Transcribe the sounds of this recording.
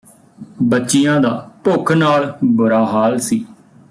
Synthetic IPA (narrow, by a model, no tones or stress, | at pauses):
bətːʃijãːd̪aːpʊkʰnaːlbʊɾaːɦaːlsiː